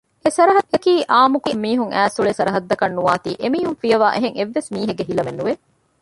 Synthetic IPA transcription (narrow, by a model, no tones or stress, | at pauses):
esɐɾɐɦɐekiːʔaːmukumːiːɦuŋʔæːsuɭesɐɾɐɦɐd̪ːɐkɐnːuʋaːt̪ḭːʔemiːɦuŋfijɐʋaːʔeɦeŋeʋːesmiːɦeɡeɦilɐmenːuʋe